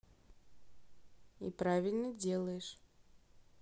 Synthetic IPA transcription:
ḭpɾavʲɪlʲnədʲelˠəjɪʂ

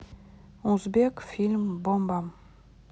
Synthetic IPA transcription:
ʊzbekfʲilʲmbombam

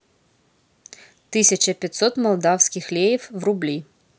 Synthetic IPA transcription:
t̪ɨsʲɐt͡ʃɐpʲɐt̪sɔt̪mɐlˠd̪ɑwsʲkʲixlʲejiwwrublʲi

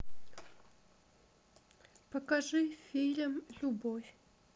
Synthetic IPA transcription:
pɐkaʐɨfʲilʲəmlʲubɔfʲ

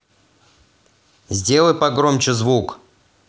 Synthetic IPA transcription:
zʲdʲelˠəjpɐɡɾomt͡ɕɪzvuk

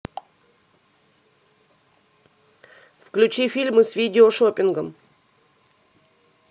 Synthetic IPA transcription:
fklʲʉt͡ɕifʲilʲmɨsvʲidʲɪoʂopʲɪnɡəm

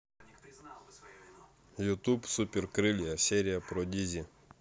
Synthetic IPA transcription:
jʊt̪upsupʲɪrkɾɨlʲijɐsʲeɾʲɪjɐpɾɔd̪ʲizʲi

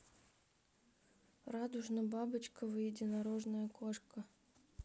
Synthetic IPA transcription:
rad̪ʊʐnɐbabɨt͡ɕkəvɨjɪdʲɪnaɾoʐnəjəkoʂkə

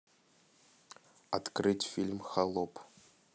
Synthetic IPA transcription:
at̪krɨtʲfʲilʲmxalˠop

